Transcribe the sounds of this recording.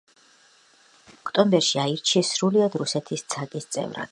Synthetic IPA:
ɔkʰt̪ʼɔmbɛɾʃiaiɾt͡ʃʰisɾuliad̪ɾusɛt̪ʰist̪sʰakʼist̪sʼɛ̰vɾa̰d̪̥

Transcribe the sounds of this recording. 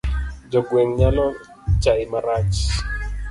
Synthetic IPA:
d͡ʒɔɡweŋɲalɔ | t͡ʃaɪmaɾat͡ʃ

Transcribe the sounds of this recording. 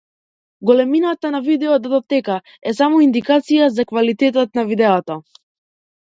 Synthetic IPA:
ɡɔlɛminat̪anavid̪ɛɔd̪ad̪ɔt̪ɛka | ɛsamɔind̪ikat̪sijazakvalit̪ɛt̪̬at̪navid̪ɛɔt̪ɔ

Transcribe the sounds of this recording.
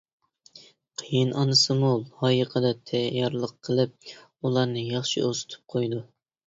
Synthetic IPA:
qʰəjinɑnɨsɨmulˠhɑːjəqʰəd̪ɛt̪ʰɛjɑɾlˠəqʰːəlˠɨp̚ | ulˠɑɾnɨjɑχʃiʔosɨ̥t̪ʰɨ̥p̚qʰojd̪u

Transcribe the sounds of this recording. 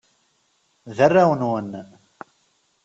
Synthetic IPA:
ðərːawənwən

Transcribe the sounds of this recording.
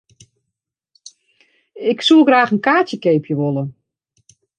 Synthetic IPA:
ɪksulˠɡraːxənkaːtjəkeːpʰjəʋolˠə

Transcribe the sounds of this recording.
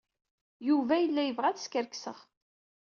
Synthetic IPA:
juvæjəlːæjəvʁæðskəɾksəʁ

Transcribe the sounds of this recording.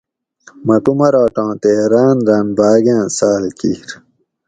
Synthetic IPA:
mɐkumɐɾaːʈãːt̪eɾaːnɾaːnbaːɡãːsaːlkiːɾ

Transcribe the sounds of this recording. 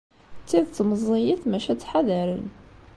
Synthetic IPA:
t͡sːiðt͡s̪ːməzˤːijiθmæʃæt͡sːħaðæɾən

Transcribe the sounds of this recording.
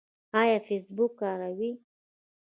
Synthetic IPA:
ɑjɑfesbukːɑɾawi

